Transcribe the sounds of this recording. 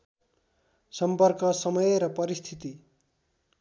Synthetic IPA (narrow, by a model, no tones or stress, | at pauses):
sʌmpʌrkʌsʌmʌjɾʌpʌɾist̪ʰit̪i